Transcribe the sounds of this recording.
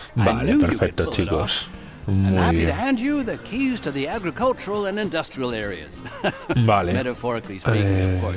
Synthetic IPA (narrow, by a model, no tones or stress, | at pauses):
balepeɾfɛk̚t̪ot͡ʃʰikos | mujβjɛnæ̃nd͡ʒɨðɨkʰiz̥tʰɨðiæɡɹɨkʰʌlˠt͡ʃəɹəlˠɨ̃nɨ̃ndʌstɹ̥iəlˠɛɹiɨ̰z̥balemɛɾɨfɔɹɨklis